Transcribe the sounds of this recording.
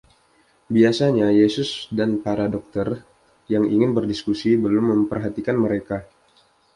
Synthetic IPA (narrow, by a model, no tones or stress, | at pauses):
biasaɲajesʊsdanpaɾadɔk̚t̪ər | jaŋiŋɪnbərdiskusibəlʊmːəmpərɦat̪ikanməɾeka